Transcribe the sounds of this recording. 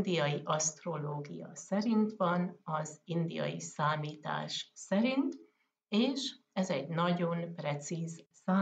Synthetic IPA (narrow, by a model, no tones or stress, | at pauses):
d̪ijɒjiʔɒst̪ro̞loːɡijɒ̰sɛɾint̪ʋɒnɒzind̪ijɒ̰jḭsaːmiːt̪a̰ːʃsɛɾint̪ | eːʃ | ɛzɛɟnɒɟo̞nprɛt̪siːzsaː